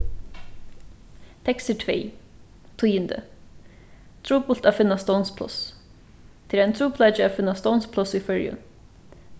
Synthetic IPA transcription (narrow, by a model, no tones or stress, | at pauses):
t̪ʰɛksətʰvḛː | t̪ʰujənd̪ə̰ | t̪ʰɾuːpʊl̥t̪aːfɪnːast̪oʊwnspʰlʊ̰s | t̪ʰɪlæɪnt̪ʰɾuːpʰlaːt͡ʃəaːfɪnːast̪ownspʰlʊsifœɹjʊ̰n